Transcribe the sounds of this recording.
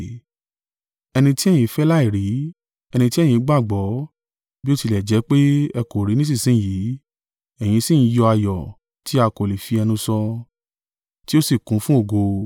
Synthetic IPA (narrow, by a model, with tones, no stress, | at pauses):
ɛ˧nĩ˧ti˦ɛ˦j̃ĩ˧˦fɛ˦la˦i˦˨ɾi˨˦ | ɛ˧nĩ˧ti˦ɛ˦j̃ĩ˧˦ɡ͡ba˦˨ɡ͡bɔ˨˦ | bi˦o˦ti˧lɛ˨d͡ʒɛ˨˦k͡pe˦ɛ˧ko˨ɾi˨˦nĩ˦s̬ĩ˦˨sĩ˨˦˨jiː˨˦ | ɛ˨j̃ĩ˧sĩ˦˨˦jɔ˧a˧jɔ˨ | ti˦a˧ko˨li˨fi˧ɛ˧nũ˧sɔ˧ | ti˦o˦si˦˨kũ˨˦fũ˦o˦˨ɡo˧